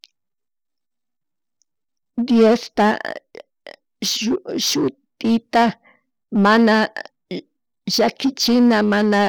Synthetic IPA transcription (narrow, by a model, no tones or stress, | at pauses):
d̪jost̪a | ʃʊt̪ɪt̪a | mana | ʒakɪt͡ʃɪnamana